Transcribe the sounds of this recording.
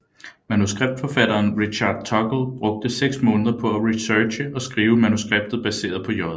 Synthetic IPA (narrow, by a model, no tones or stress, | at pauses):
mænusɡ̥ʁeb̥̚d̥fɒ̽fæɾ̥ɐːnʁiɕɑ̈d̥̚t͡sʰɒ̽ɡ̥l̩b̥ʁɔ̽ɡ̥̚d̥əseɡ̥smɔ̽ːnəðˠɐpʰɒ̽æʁisøːɕəʔɒ̽sɡ̥ʁiːʊəmænusɡ̥ʁeb̥̚d̥ð̞̩ˠb̥æse̝̰ːɐð̞ˠpʰɒ̽jɒðˠ